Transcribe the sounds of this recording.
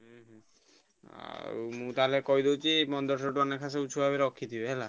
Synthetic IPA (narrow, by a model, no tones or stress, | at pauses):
ɦɛɦɛ̃ | aa̰ɾumũt̪aɦalekɔid̪ewt͡ʃʰimɔnd̪ɔɾsɔʈuanekʰas̬eut͡ʃʰubabeɾɔkʰːid̪ibeɦɛla